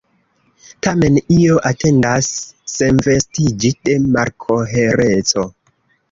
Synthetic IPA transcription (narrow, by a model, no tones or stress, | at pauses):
tame̞nioʔatʰe̞ndasːe̞nve̞stid͡ʒide̞maɾkʰoɦeɾet͡so̞